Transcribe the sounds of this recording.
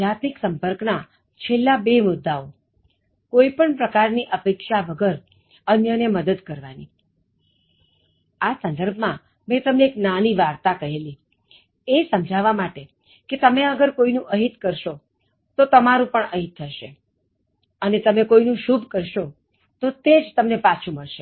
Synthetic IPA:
d͡ʒat̪miksəmpəɾkna | t͡ʃʰelːabemʊd̪ːao | koipəɳpɾəkaɾniʔəpekʃaʋəɡəɾ | ənjəneməd̪əd̪kəɾʋani | asə̃nd̪əɾbʱmã | mɛ̃t̪əmneːknaniʋaɾt̪akəɦeli | esəmd͡ʒʱaʋamaʈe | ket̪əmeəɡəɾkoinũʔəɦit̪kəɾʃo | t̪ot̪əmaɾũpəɳəɦit̪ʰːəʃe | ənet̪əmekoinũʃubʱkəɾʃo | t̪ot̪ed͡ʒt̪əmnepat͡ʃʰũməɭʃe

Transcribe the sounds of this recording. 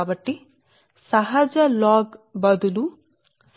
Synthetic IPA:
bɐʈːi | sɐɦɐd͡ʒɐlaːɡbɐd̪ulu | s

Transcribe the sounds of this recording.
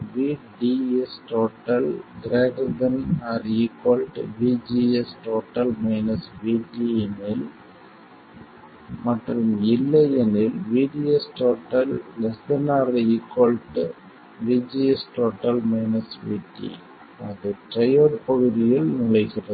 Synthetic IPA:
ʋiːɖiɛsʈoːʈːɐlɡɾeːɣd̪ɐnaːɾikːoːlʈʋiːd͡ʒiɛsʈoːʈːɐlmɐɪnɐsʋiːʈːiɛnɪl | mɐʈrɯmɪlːɐjɛnɪlʋiːɖiɛsʈoːʈːɐlːɐsɐnaːɾikːoːlʈ | ʋiːd͡ʒiɛsʈoːʈːɐlmɐɪnɐsʋḭːʈːḭ | ɐðɯʈɾɐjoːɾpɐɣɯðɪjɪlnɪɭɐɪɣɪrɐ

